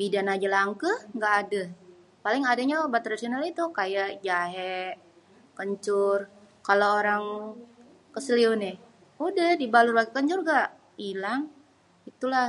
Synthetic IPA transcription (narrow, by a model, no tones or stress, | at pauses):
bidanad͡ʒəlaŋkəhŋɡaʔːdəh | palɪŋadaɲabat̪ɾasionalit̪ukajaʔd͡ʒaɦɛʔ | kəɲt͡ʃʊr | kaloːɾaŋ | kəsəliʊnɛ | udəhdibalʊrbaɡikəɲt͡ʃʊrɡaʔ | ilaŋ | it̪ulah